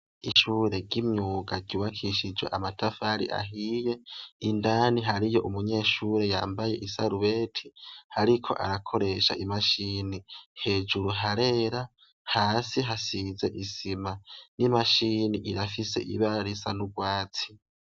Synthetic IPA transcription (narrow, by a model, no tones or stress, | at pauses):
iʃuːɾe̞ɡɟimɲuːɡaɟuːβakʰiʃid͡ʒwe̞̰ʔamatʰafaːɾḭʔa̰ɦije̞indaːniɦaɾijo̞ʔumuɲe̞ːʃuɾe̞jaːmbaje̞̰ʔisaɾuβeːtʰihaɾikʰo̞̰ʔa̰ɾakʰo̞ɾe̞ʃa̰ʔimaʃiːnihe̞ːd͡ʒuɾuɦaɾe̞ɾa | haːsiɦasize̞ʔisimanimaʃiniʔiɾafise̞̰ʔḭβaɾisanuɡwaːt͡si̥